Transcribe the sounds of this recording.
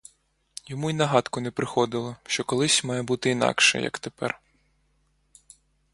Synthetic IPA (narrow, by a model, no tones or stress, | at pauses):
jɔmuinɐɦɑt̪kʊnɛpɾɪxɔd̪ɪlˠɔʃt͡ʃɔkɔlˠɪsʲmɑjɛbut̪ɪinɑ̰kʃɛ̰jɐ̰kt̪epɛ̰r